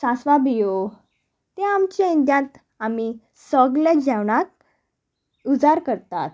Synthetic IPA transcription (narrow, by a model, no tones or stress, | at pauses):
sãsʋabijo | t̪eamt͡ɕaind̪jãt̪ | ami | sɔɡljad͡ʑaʋɳak̚ | ud͡zaɾkəɾt̪a̰t̪